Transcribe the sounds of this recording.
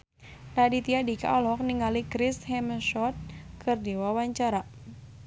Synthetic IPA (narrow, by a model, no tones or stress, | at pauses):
nadit̪iadika̰ʔɔlɦɔk̚niŋalikɾishɛmʃɔt̪̚kʰɨrdiwawaɲt͡ʃaɾa